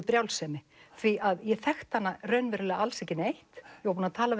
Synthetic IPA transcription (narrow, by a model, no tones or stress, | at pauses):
pɾjawlsɛmɪ | θviʔaðjɛθɛxt̪hanːarœɥnvɛɾlɛɣaalsɛhcɪnejht̪jɛwap̬unaðt̪ʰaːla